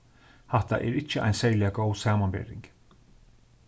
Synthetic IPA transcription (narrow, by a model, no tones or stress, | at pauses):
haht̪a̰ʔɛ̰ɾɪcːəʔa̰jnsɛɹlɪaɡowsaːmanbɛ̰ːɾɪ̰ŋk